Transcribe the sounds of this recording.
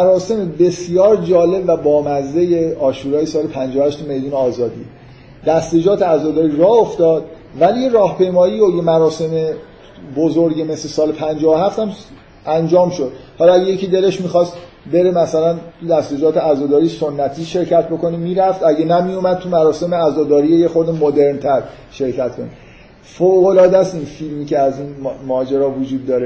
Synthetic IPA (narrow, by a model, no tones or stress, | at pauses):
æɾɒːse̞mebe̞sjɒːɾd͡ʒɒːle̞bvæbɒːmæzːe̞jeɒːʃuːɾɒːjesɒːlepʰænd͡ʒɒːohæʃt̪ʰumejd̪uːneɒːzɒːd̪ḭː | d̪̥æst̪e̞d͡ʒɒːt̪ʰeæzɒːd̪ɒːɾirɒːoft̪ɒːd̪ | vælijeɾɒːhpʰe̞jmɒːjiːojemæɾɒːse̞me | bozoɾɟeme̞slesɒːlepʰænd͡ʒɒːvohæft̪æm | ænd͡ʒɒːmʃo̞d̪̥hɒlɒæɟejecʰʲid̪e̞le̞ʃmixɒst̪ | be̞ɾe̞mæsælænt̪ʰud̪æst̪ed͡ʒɒːt̪ʰeæzɒːd̪ɒːɾiso̞nːæt̪ʰiːʃe̞ɾcæt̪̚ʰbo̞ko̞nimiːɾæft̪æɟenæmijomæd̪̚t̪ʰumæɾɒːse̞meæzɒːd̪ɒːɾiːejexo̞ɾd̪emod̪e̞ɾnt̪ʰæɾ | ʃe̞ɾcʰæt̪̚kʰo̞ni | foɣo̞lɒːd̪æst̪infilmiːcʰeæziːnmɒːd͡ʒeɾɒːvud͡ʒuːd̪ːɒːɾe